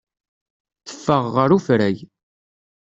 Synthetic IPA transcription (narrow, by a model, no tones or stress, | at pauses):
θə̥fːəʁːəɾufɾæj